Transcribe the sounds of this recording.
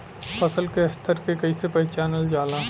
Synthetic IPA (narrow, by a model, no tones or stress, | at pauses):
pɐsəlkeɐst̪ʰəɾkekɐisepɐit͡ʃaːnəld͡ʒaːla